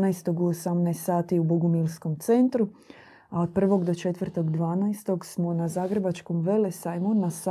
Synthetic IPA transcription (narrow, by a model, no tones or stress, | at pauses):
ajst̪o̞ɡuosamnaest̪saːt̪iuboɡumilˠsko̞mt̪se̞nt̪ɾu | ao̞d̪̚pr̩ʋo̞ɡd̪o̞t͡ʃe̞t̪ʋərt̪o̞ɡd̪ʋaːnajst̪o̞ɡsmonazaːɡɾebat͡ʃkomʋe̞lesajmonas